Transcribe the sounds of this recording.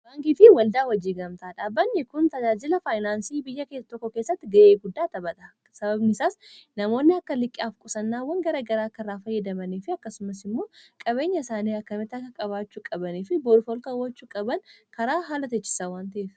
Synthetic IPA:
b̥aːŋkifɪwɐld̪aːwɐd͡ʒːiːɡɐmt̪aːᶑaːbːɐnːɛkʊnt̪ɐd͡ʒaːd͡ʒɪlɐfaːjnaːnsiːbɪjːɐkeːsɐt̪ɔkːɔke̞ːsːɐt̪ːɪɡɐʔeːɡʊd̪ːaːt̪ɐbɐt̪ɐ | sɐbɐbnɪsaːsnɐmo̞ːnːɪɐkːɐlɪkʼːaːfkʼʊsɐnːaːwɐŋɡɐɾɐɡɐɾaːkːɐrːaːfɐjːɐd̪ɐmɐniːfɪɐkːɐsʊmɐsɪmːo̞ːkʼɐβe̞ːɲːɐɪsaːniːɐkːɐmɪt̪ɐkɐkʼɐβaːt͡ʃːukʼɐbɐniːfɪboːdfɔlkɐwːɐt͡ʃːukʼɐbɐŋkʰɐɾaːɦaːlɐt̪ɛt͡ʃːɪ̥sawaːnt̪ɐʔeːf

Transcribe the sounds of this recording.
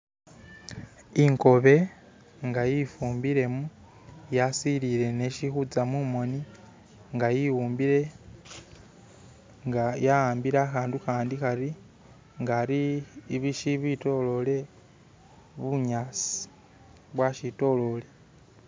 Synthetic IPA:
iŋko̞βe̞ | ŋɡajifuːmbiɾe̞mu | jasiliɾe̞neʃixud͡zamumo̞ni | ŋɡajiwuːmbiɾe̞ | ŋɡajaaːmbiɾaːxaːnduxaːndixaɾi | ŋɡaːɾiːβiʃiβito̞lo̞le̞ | βuɲaːsi̥ | βwaʃito̞lo̞le̞

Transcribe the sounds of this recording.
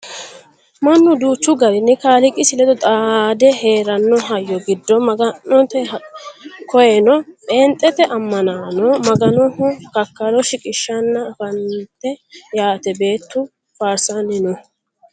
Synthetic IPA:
mɐnːʊd̪uːt͡ʃːʊɡɐɾɪnːɪkaːlɪkʼɪsɪlɛd̪ɔt̪ʼad̪ɛhe̞ːɾɐnːɔɦɐjːɔɡɪd̪ːɔmɐɡɐnːɔt̪ɛ | kʰɔjɛnɔpʼɛːnt̪ʼːɛt̪ɛʔɐmːɐnaːnɔmɐɡɐnɔhʊkɐkːɐɾɔʃɪkʼɪʃːɐnːɐfɐnt̪ːɛjaːt̪ɛbe̞ːt̪ːʊ | faːɾsanɪnɔ

